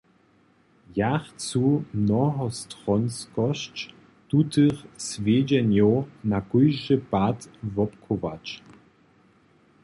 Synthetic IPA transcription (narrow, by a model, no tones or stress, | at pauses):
jaxt͡sumnɔɦɔstʁɔnskɔɕt͡ɕ | t̪ut̪ɨxsvʲjed͡ʑɛnjɔwnakujʒɨpat̪vɔpkʰɔva̰t͡ɕ